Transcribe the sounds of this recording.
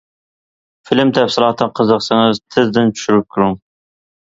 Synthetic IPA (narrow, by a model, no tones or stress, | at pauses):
filɪmt̪ʰɛfsɪlˠɑːt̪ʰɨqʰəzəqsɨŋɨzt̪ʰɪzd̪ɪnt͡ʃʰy̥ʃyɾyp̚kʲʰʊɾuŋ